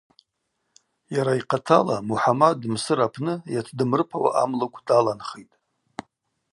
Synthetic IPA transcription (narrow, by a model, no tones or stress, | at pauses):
jaɾaiqʰatʰalamuħamadːɨmsɨɾapʰnɨjatʰdɨmrɨpʰawa̰ʔamlɨkʷʰdalanχejtʼ